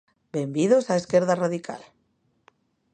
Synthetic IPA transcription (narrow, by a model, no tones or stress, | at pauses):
be̞mbiðosae̞ske̞ɾðaraðikʰa̰l